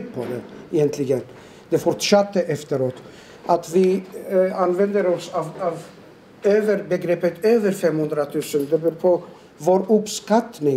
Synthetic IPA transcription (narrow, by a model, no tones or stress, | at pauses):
pʰɔd̪ɛɛjɛnt̪ʰlɪɡən | d̪ɛfɔɾʈʂɑt̪ːəʔɛft̪əɾoːt̪ | ʔat̪vɪ | anvɛnd̪əɾɔsɑvɑv | øːvəɾbɛɡɾeːpːət̪ʰøːvəɾfɛmhɵnd̪ɾat̪ʰʉːsənd̪ɛbʉːɾpʰɔ | voːɾɵpskat̪nɪ